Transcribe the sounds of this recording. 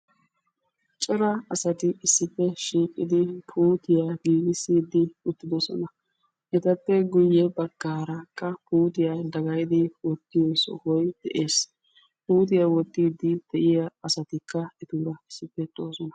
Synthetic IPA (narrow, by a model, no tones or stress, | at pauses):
t͡ʃʼɔɾɐɐsɐt̪ɪɪsːɪpːɛʃiːkʼːɪd̪ɪpʰuːt̪ɪjaɡiːɡɪsiːd̪ɪʊt̪ːɪd̪ɔsɔ̰nɐ | ʔɛt̪ɐpːɛɡʊjːɛbɐɡːaːɾɐkːɐpuːt̪ɪjad̪ɐɡɐjd̪ɪwɔt̪ːɪjoːsɔ̰hɔjd̪̥ɛ̰ʔeːs | puːt̪̬ɪjawɔt̪ːiːd̪ɪd̪̥ɛʔɪjaɐsɐt̪ɪkːɐɛt̪uːɾɐɪsːɪpːɛt̪ʼːoːsɔnɐ̥